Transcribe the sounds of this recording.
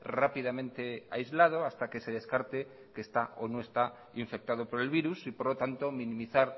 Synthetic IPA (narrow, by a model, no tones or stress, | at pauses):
rapiðamẽnt̪e̞a̰jzlað̞o̞ast̪ake̞se̞ð̞e̞skaɾt̪e̞ | keːst̪aonoest̪a | iɱfe̞k̚t̪að̞opo̞ɾe̞lβiɾusipoɾlot̪ant̪o̞mĩnĩmiθaɾ